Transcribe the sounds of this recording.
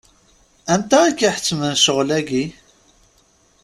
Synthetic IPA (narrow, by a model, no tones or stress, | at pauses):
ænt̪æːkːiħə̥t͡sːmənʃəʁlæɡi